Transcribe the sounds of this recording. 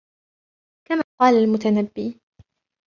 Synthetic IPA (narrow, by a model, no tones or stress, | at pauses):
kamaːqɑːlalmʊt̪anabːiː